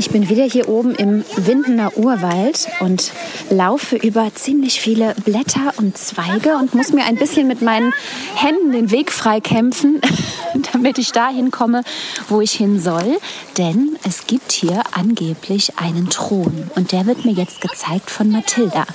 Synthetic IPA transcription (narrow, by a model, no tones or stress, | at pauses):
ʔɪçb̥ɪnviːdɐhiːɐʔoːbm̩ʔɪmvɪndn̩ɐʔuːɐvaltʔʊntlaʊfəʔyːbɐt͡siːmlɪçfiːləblɛtʰɐʔʊnt̚t͡sv̥aɪɡəʊntmʊsmiːɐʔaɪnbɪsçənmɪtmaɪnənhɛndn̩deːnveːkfʁ̥aɪkʰɛmfn̩d̥amɪtɪçd̥aːɦɪnkʰɔməvoːɪçhɪnzɔld̥ɛnʔɛsɡ̥iːp̚thiːɐʔanɡeːpʰlɪçʔa̰ɪnəntʁ̥oːnʊnt̚d̥eːɐvɪɐtmiːɐjɛt͡st̚ɡ̥ət͡saɪk̚tfɔnmatʰɪlda̰